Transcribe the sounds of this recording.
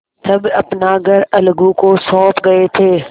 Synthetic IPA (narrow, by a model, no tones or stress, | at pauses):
t̪ɐbɐpnaɡʱəɾɐlɡũkosɔːpɡɐet̪ʰeː